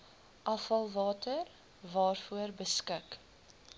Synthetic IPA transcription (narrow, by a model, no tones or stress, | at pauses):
ʔɐfɐlˠvɑːtər | vɑːrfuərbəskɪk